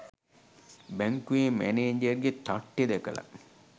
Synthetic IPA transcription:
bæŋkuemæ̰neːɲd͡ʒeɾɡet̪aʈːed̪ekəla̰

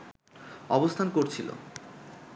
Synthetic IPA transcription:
ɔbost̪ʰankoɾt͡ɕʰilo̰

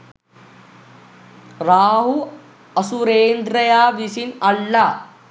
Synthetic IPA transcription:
raːɦu | ɐsuɾeːnd̪ɾɐjaːʋisinɐɭːaː

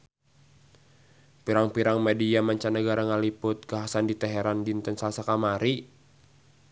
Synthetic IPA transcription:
piɾaŋpiɾaŋmɛdiamaɲt͡ʃanːəɡaɾaŋalipʊt̪̚ɡaɦasandit̪ɛɦɛɾandint̪ɔnsalasakamaɾi

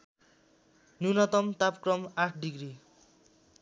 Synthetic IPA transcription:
nunʌt̪ʌmt̪apkrʌmaʈʰɖiɡɾi

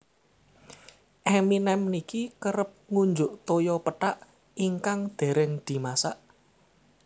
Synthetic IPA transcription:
ʔɛminɛmnikikəɾəp̚ŋuɲd͡ʒʊʔt̪ojɔpəʈaʔ | iŋkaŋd̪̥e̤ɾɛŋd̪̥i̤masaʔ

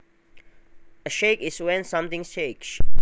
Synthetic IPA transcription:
əʃekiswɛ̃nsãmt̪ĩŋʃeks

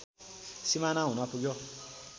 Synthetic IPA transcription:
simãnãũnãpud͡ʒɔ

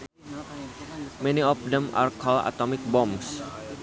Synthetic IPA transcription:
mɛniɔfdɛma̰rkɔla̰t̪omɪk̚bɔms

